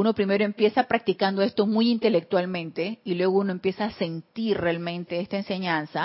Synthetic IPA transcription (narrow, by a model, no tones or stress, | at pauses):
uno̞pɾime̞ɾoempje̞sapɾak̚t̪ikand̪o̞e̞st̪o̞mujint̪e̞le̞k̚t̪walmẽ̞nt̪e̞ilwe̞ɣo̞unoe̞mpje̞saːse̞nt̪iɾrealmẽ̞nt̪e̞est̪aense̞ɲansa